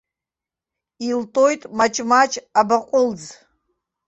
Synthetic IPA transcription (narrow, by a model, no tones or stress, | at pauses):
iltʼojtʼmat͡ʃʼmat͡ʃʼabaqʷʼʊld͡z